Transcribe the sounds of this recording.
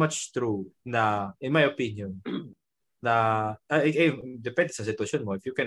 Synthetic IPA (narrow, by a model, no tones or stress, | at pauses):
at͡ʃt̪ɾunɐʔɪ̃nmajopinjɔnː | ɐʔɐjd̪ɛpɛ̃nd̪ɛsɐsɪt̪wɐʃjonmoɪfjukɛ̃